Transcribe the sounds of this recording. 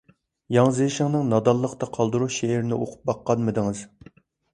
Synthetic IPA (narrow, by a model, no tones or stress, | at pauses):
jɑŋzejʃɪŋnɨŋnɑd̪ɑlˠːəqt̪ɑqʰɑlˠd̪ɨɾuʃeːɾɪnɪʔoqʰʊ̥p̚bɑqːɑnmɨd̪ɨŋɨz̥